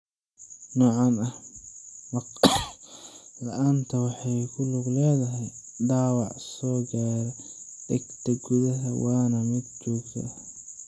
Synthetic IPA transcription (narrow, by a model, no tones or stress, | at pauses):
nɔːʕɑnɐh | mɐq | lɐʔaːnt̪ʰɐwɑħɑjkʰʊlʊɡlɛːðɐɦɛjd̪ɑːwɑʕsɔːɡaːɾɛd̪̥ɛɡt̪ʰɐɡʊðɐɦɐwɑːnɐmɪd̪̚t͡ʃɔːɡt̪ʰɐ̰